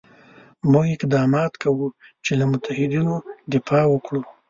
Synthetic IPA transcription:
muɡɪqd̪ɑmɑt̪kawut͡ʃelamʊt̪ahɪd̪inod̪ɪfɑwəkɽu

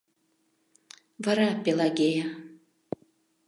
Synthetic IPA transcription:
vaɾapʲelˠaɡʲeja

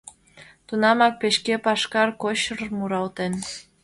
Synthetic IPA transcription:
t̪unɑmɑk̚peʃkepɑʃkɑrkoɕərmuɾɑwt̪en

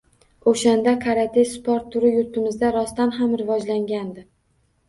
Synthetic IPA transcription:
oʃand̪akʰaɾat̪ʰesspɒɾt̪ʰːʊɾɪjʊɾt̪ʰɪmɪzd̪aɾɒst̪anɦamɾɪvɒd͡ʒlaŋɡʲand̪ɪ

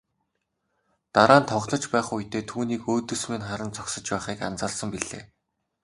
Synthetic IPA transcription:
t̪aɾaːnt̪ʰɔʁɮɞ̆t͡ɕpæːχujt̪ʰeːt̪ʰuːniːkoːt̪ɵ̆smeːnχaɾə̆nt͡sɔksə̆t͡ɕpæːχiːkant͡săːɮsə̆mpiɮḛː

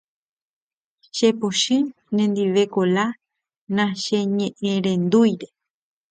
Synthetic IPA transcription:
ʃepoʃɨ̃ | nẽnd̪iʋe̞kola | nãʃeɲẽʔẽɾẽnd̪ujɾe

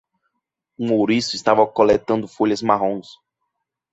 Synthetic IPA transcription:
ũowɾisʊist̪avɐkolɛt̪ɐ̃nd̪ʊfoʎɐzmaɦõs

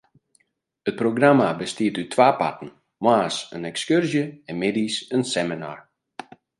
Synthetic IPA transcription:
ət̚proɡramabəstiətytʰwaːpa̰tən̩ | mwaːsənɛkskørzjəɛnmedisənsɛmina̰r

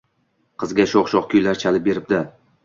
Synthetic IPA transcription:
qʰɨzɡʲaʃoχʃɒχkʰʲʊjlaɾt͡ʃʰalɪp̚be̞ɾɪp̚d̪ɪ

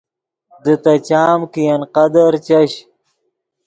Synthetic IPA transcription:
d̪ət̪ɐt͡ɕaːmkijɐnqɐd̪ɐɾt͡ɕɐɕ

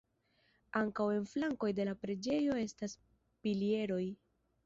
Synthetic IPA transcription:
aŋkawe̞nflaŋko̞jde̞lapɾe̞d͡ʒe̞jo̞e̞stas | pilie̞ɾo̞j

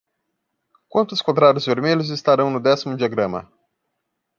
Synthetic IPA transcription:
kwɐ̃nt̪ʊskõt̪ɾaɾʊzveɾmeʎʊzɪst̪aɾɐ̃w̃nʊd̪ɛsimʊd͡ʒiaɡɾɐ̃mɐ̰

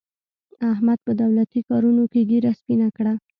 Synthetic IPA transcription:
ahmad̪̚pəd̪awlat̪ikɑɾunokeɡeɾaspinakɽa

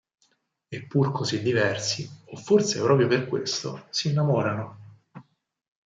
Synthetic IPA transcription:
epːurkʰozid̪ːivɛrsiofːort̪sepɾɔːpɾjoperkwḛst̪o̰siːnːamɔːɾano

